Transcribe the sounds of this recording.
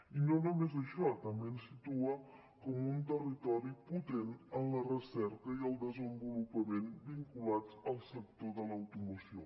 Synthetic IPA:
inonumezəʃɔt̪əmbensit̪uə | kɔmunt̪ərit̪ɔɾiput̪enənlərəsɛɾkəiəlˠd̪əzəmbulupəmenbiŋkulad͡zəlˠsək̚t̪oðələwt̪umusio

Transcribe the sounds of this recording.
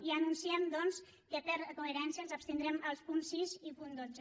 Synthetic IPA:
iənunsiɛmd̪ɔns | kəpəɾkoeɾɛnsiəlˠzəpst̪ind̪ɾɛməlˠspunsːizipund̪od͡zə

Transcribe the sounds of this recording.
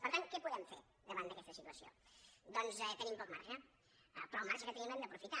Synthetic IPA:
pəɾt̪aŋkɛpuðɛmfḛɾ | ðəβand̪əkɛst̪əsit̪uəsio̰d̪ɔnzɛt̪ənĩmpɔkma̰rʒə̰ | pɾɔmaɾʒəkət̪ənĩmɛnd̪əpɾufit̪a

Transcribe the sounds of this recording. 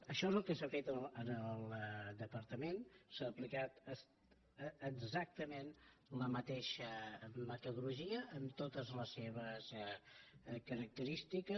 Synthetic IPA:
əʃɔezəlˠkəsafet̪ələnəlˠd̪əpəɾt̪əmensaːplikat̪əsː | ɡzak̚t̪əmen | ləmət̪eʃəmət̪əðuɾluʒiəʔəmt̪ot̪əzləsːeβəs | kəɾək̚t̪əɾist̪ikə

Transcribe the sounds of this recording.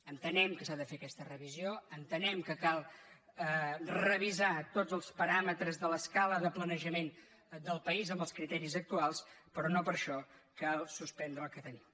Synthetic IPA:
ənt̪ənɛmkəsaðəfeəkɛst̪ərəβizioənt̪ənɛmkəkalˠ | ərəβizat̪od͡zəlˠspəɾamət̪ɾəzðələskaləðəplənəʒəmen | d̪əlˠpəizəmbəlˠskɾit̪ɛɾizək̚t̪ualˠspəɾɔnopəɾʃɔkalˠsuspɛnd̪ɾəlˠkət̪ənim

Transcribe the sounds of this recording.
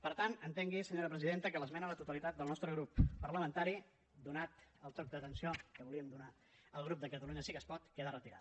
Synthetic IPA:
pəɾt̪anənt̪eŋɡisəɲoɾəpɾəziðent̪əkələzmɛnələt̪ut̪əlit̪at̪d̪əlˠnɔst̪ɾəɣɾupːəɾləmənt̪aɾi | d̪unat̪əlˠt̪ɔk̚d̪ət̪ənsiokəβuliəmd̪una | əlˠɣ̞ɾup̚d̪əkət̪əluɲəsikəspɔt̪keðərət̪iɾa̰t̪

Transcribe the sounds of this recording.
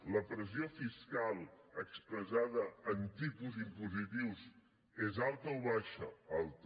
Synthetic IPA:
ləpɾəziofiskalˠəkspɾəzaðəːnt̪ipuzimpuzit̪iwz | ezalˠt̪əɔβaʃə̰alˠt̪

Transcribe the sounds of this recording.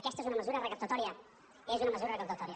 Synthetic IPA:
kɛst̪aezunəməzuɾərəkəpt̪ɐt̪ɔɾiə | ezunɐməzuɾɐrəkəp̚t̪ət̪ɔɾiə

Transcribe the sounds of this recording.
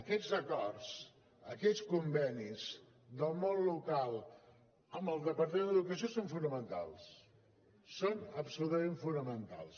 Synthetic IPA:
əkɛd͡zəkɔrs | əkɛskumbɛniz | d̪əlˠmonlukalˠ | əmbəlˠd̪əpəɾt̪əmẽnd̪əðukəsiosoɱfunəmənt̪a̰lˠs | sonəpsulut̪əmeɱfunəmənt̪a̰lˠs

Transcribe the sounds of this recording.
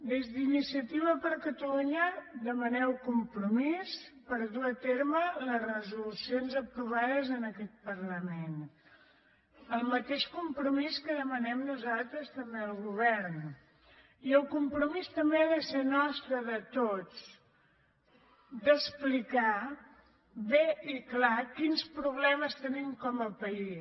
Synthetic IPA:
d̪ezðinisiət̪iβ̞əpəɾkət̪əluɲəd̪əmənɛwkumpɾumispəɾðuət̪eɾmələzrəzulusionzəpɾuβ̞aðəzənəkɛt̪̚pərləmen | əlˠmət̪eʃkumpɾumiskəðəmənɛmnuzalˠt̪ɾəst̪əmbeəlˠɣuβ̞ɛɾn | iəlˠkumpɾumist̪əmbeaðəsenɔst̪ɾəðət̪ot͡s | d̪əsplika | βeiklakinspɾuβlɛməst̪ənimkɔməpəi

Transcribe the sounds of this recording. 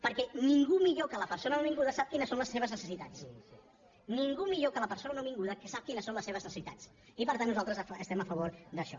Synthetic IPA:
pəɾkɛniŋɡumiʎokələpəɾsonənoβiŋɡuðəsap̚kinəsonləseβ̞əznəsəsit̪at͡s | niŋɡumiʎokələpəɾsonənoβiŋɡuðəkəsap̚kinəsonləseβ̞əznəsəsit̪a̰t͡s | ipəɾt̪anːuzalˠt̪ɾəzəst̪ɛməfəβ̞oɾd̪əʃɔ

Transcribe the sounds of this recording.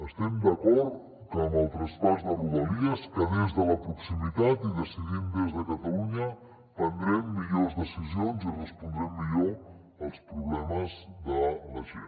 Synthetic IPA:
əst̪ɛmd̪əkɔɾt̪ | kəməlˠt̪ɾəspazðəruβəliəskəðezðələpɾuksimit̪at̪iðəsiðimd̪ezðəkət̪əluɲə | pənd̪ɾɛmːiʎozðəsizionzirəspund̪ɾɛmːiʎo | əlˠspɾuβlɛməzðələʒḛn

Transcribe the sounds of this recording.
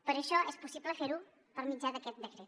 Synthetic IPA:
pəɾeʃɔɛspɔsibləfeɾu | pəɾmid͡ʒad̪əket̪̚d̪əkɾe

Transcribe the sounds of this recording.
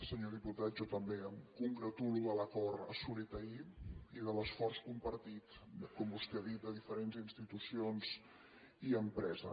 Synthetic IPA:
səɲoðiput̪at̪̚d͡ʒot̪əmbeəmkuŋɡɾət̪uluðələkɔɾə̰sulit̪əiiðələsfɔrskumpəɾt̪it̪kɔmbust̪eðit̪̚d̪əð̞ifəɾenzinst̪it̪usionz̥ | iəmpɾɛzə̰

